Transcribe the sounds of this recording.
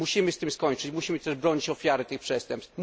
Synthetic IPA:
uɕimɘst̪ɘmskɔɲt͡ʂɘt͡ɕmuɕimɘt̪ɛʐbɾɔɲit͡ɕɔfʲjaɾɘt̪ɘxpʂɛst̪ɛmps

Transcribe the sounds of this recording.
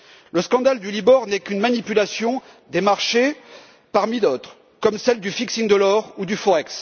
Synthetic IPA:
ləskɑ̃d̪ald̪ylibɔʁnɛkynmanipylasjɔ̃ | d̪emaʁʃe | paʁmid̪ot̪χ | kɔmsɛld̪yfiksiŋd̪əlɔʁud̪yfɔʁɛks

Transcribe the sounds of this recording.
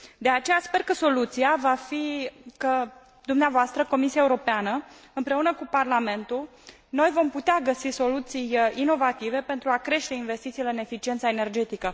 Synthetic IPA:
d̪e̞at͡ʃe̞jaspe̞rkəso̞lut̪sijavafikə | d̪umneavoast̪ɾəko̞misiaeuɾo̞peanəɨmpɾe̞unəkuparlame̞nt̪ul | no̞jvo̞mput̪eaɡəsiso̞lut̪sijino̞vat̪ive̞pe̞nt̪ɾuakɾe̞ʃt̪e̞inve̞st̪it̪sileɨne̞fit͡ʃient̪saene̞rd͡ʒe̞t̪ikə

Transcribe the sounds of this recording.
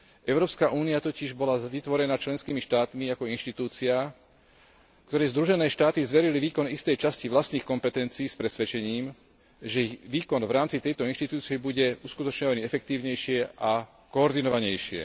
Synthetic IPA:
ʔɛʊɾɔːpskaʔuːniat̪ɔciʒbɔlaʋit̪ʋɔɾɛnat͡ʃlɛnskiːmiʃt̪aːt̪miakɔinʃt̪it̪uːt͡sia | kt̪ɔɾɛːzd̪ɾuʒɛnɛːʃt̪aːt̪izʋɛɾiliʋiːkɔnist̪ɛjt͡ʃasciʋlast̪niːxkɔmpɛt̪ɛnt͡siːspɾɛsʋɛt͡ʃɛɲiːm | ʒɛʋiːkɔnvɾaːmt͡sit̪ɛjt̪ɔinʃt̪it̪uːt͡sijɛbuɟɛuskut̪ɔt͡ʃɲɔʋaɲiɛfɛk̚t̪iːʊɲɛjʃɪɛʔa | kɔːɾd̪inɔʋaɲɛjʃɪɛ̰

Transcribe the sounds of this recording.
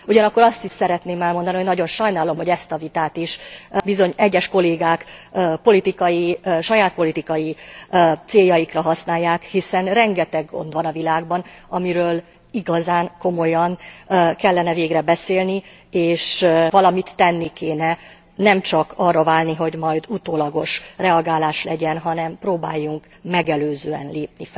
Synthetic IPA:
uɟɒnɒkːo̞ɾɒst̪iʃsɛɾɛt̪neːmɛlmo̞nd̪ɒnioɟnɒɟo̞nʃɒjnaːlo̞mɦo̞ɟɛst̪ɒvit̪aːt̪iʃbizo̞ɲɛɟːɛʃko̞leːɡaːkːpo̞lit̪ikɒjiʃɒjaːt̪̚po̞lit̪ikɒji | t̪seːjːɒjikrɒɦɒsnaːjːaːkhisɛnrɛŋɡɛt̪ɛɡːo̞̰nd̪ʋɒnɒvilaːɡbɒnɒmiɾøːl | iɡɒzaːŋko̞mo̞jɒnkɛlːɛnɛveːɡrɛbɛseːlni | eːʃvɒlɒmit̪ːɛnːikeːnɛ | nɛmt͡ʃɒkɒrːɒvaːlniɦo̞ɟmɒjd̪ut̪oːlɒɡo̞ʃrɛɒɡaːlaːʃlɛɟɛnɦɒn̪ɛmproːba̰ːjːuŋk | mɛɡɛløːzøːɛ̰nleːp̚nifɛ

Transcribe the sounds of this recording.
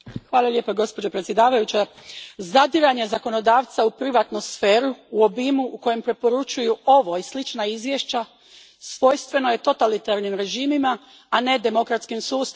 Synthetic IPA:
xʋaːlˠalʲje̞ːpaɡo̞spo̞d͡ʑopɾet̪sje̞d̪aːʋajut͡ɕazad̪iɾaɲe̞zako̞no̞d̪aːʋt̪saupɾiʋat̪nusfe̞ːɾuːo̞bimuʔuko̞je̞mpɾe̞po̞ɾut͡ʃujuo̞ʋo̞islit͡ʃnaizʋjeʃt͡ɕa | sʋo̞jst̪ʋe̞no̞je̞t̪o̞t̪alit̪aɾnimɾe̞ʒiːmimaː | ne̞d̪e̞mo̞kɾat̪skimsuːst̪

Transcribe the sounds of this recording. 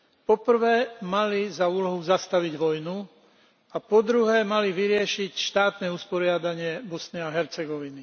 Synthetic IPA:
pɔpr̩ʋɛːmalizauːlɔɦuzast̪aʋiɟʋɔjnu | apɔd̪ɾuɦɛːmaliʋiɾɪɛʃicʃt̪aːt̪nɛuspɔɾɪad̪aɲɪɛbɔsniaɦɛɾt͡sɛɡɔʋini

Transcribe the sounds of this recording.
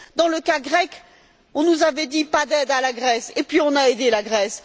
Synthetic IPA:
d̪ɑ̃ləkaɡʁɛk | ɔ̃nuzavɛd̪ipad̪ɛd̪alaɡʁɛsepɥiɔ̃naed̪elaɡʁɛs

